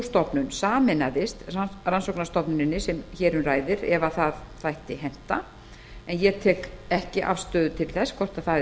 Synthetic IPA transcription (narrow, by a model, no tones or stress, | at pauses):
st̪ɔpnʏnsaːmɪnaðɪst̪aransɔwknḁst̪ɔpnʏnɪnːɪsɛmçɛːɾʏraːjðɪɾɛvaθaðθajht̪ɪɦɛn̥t̪a | ɛnjɛt̪ʰɛːkɛhcɪʔa̰fst̪œːðʏt̪ʰɪlθɛskʰɔr̥t̪aθa